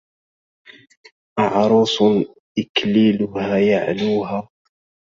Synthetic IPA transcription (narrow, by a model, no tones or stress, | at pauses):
ʔɑʕɾˤuːsˤ | ʔɪkliːlʊhaːjaʕluːɦaː